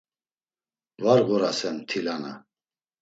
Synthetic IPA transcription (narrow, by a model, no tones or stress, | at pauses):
vaɾɣɔɾasɛmt̪ʰilana̰